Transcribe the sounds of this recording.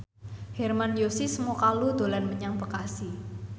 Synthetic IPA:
hɛrmanjosisəmukalud̪̥o̤lanməɲaŋbəkasi

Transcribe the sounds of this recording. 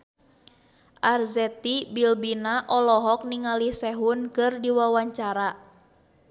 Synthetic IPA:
ʔarzɛt̪ibilbinaʔɔlɔɦɔk̚niŋalisɛɦunkɨrdiwawaɲt͡ʃaɾa

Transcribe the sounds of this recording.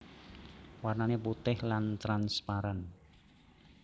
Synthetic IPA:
warnaneput̪ɪhlant̪ɾanspaɾan

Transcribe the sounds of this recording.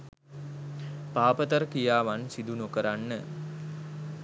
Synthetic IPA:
paːpət̪əɾəkijaːʋansid̪unokəɾanːə

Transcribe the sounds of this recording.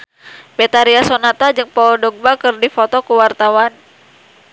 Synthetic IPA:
bɛt̪aɾiasonat̪ad͡ʒɨŋpɔdɔɡ̚bakɨrdifɔt̪ɔkuwart̪awan

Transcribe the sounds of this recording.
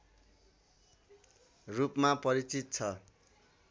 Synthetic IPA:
rupmapʌɾit͡sit̪̚t͡sʰʌ

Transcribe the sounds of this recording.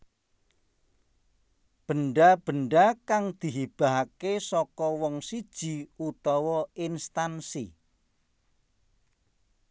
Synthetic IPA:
b̥ənɖab̥əɳɖakaŋd̪̥i̤ɦib̥a̤ɦkesɔkɔwɔŋsid̥ʒ̥iut̪ɔwɔinst̪ansḭ

